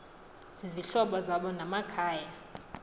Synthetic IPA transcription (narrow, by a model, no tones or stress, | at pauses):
z̥iziɬɔɓɔzaɓɔnamakʰaːja